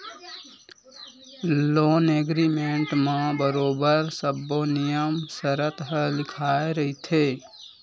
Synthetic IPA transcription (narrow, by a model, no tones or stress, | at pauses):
loːneɡɾimeɳʈmẽbəɾoːbəɾsəbːonijəmsəɾət̪ɦəlɪkʰaeɾəɦit̪ʰe